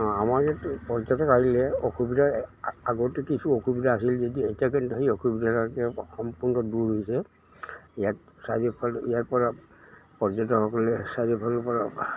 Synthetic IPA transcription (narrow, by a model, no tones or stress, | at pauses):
ɔamaɹijatpɔɹzɔtɔkahilɛɔkubidaaɡɔtɛkisuokʰubidaːsilzɔdietiakentɔɦiɔkʰubidatakɛxɔmpuɹnɔduɹɦojsɛ | ijat | sadipʰɔlijaɹpɔɹapɔzɔtɔxɔkɔlɛsadipʰɔlɔpɔɹa